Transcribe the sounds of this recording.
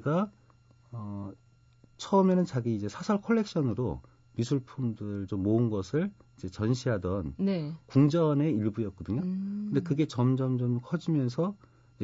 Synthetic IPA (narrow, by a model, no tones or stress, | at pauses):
ɡa | ʌ | t͡ɕʰʌɯmenɯnt͡ɕaɡiːd͡ʑe̞sʰasʰʌɭkʰʌɭːe̞k̚ɕ͈ʰʌnɯɾo | misʰuɭpʰumdɯɾɯɭt͡ɕomːoɯnɡʌsʰɯɭid͡ʑe̞t͡ɕʌnɕʰiɦadʌnnkuŋd͡ʑʌne̞iɭbujʌt̚k͈ʌdɯɲokɯnde̞kɯɡe̞t͡ɕʌmd͡ʑʌmd͡ʑʌmkʰʌd͡ʑimjʌns̬ʰʌ | i